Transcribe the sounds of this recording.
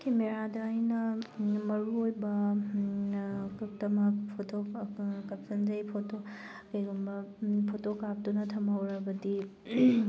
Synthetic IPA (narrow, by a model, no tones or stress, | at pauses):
kʰemeɾadɐːjnɐmɐɾuojbɐ | k̚tɐmɐpʰotokɐpsʰɐnzɐjpʰoto | kɐjɡumbɐpʰotokap̚dunɐtʰɐmɦɐwɾɐbɐdi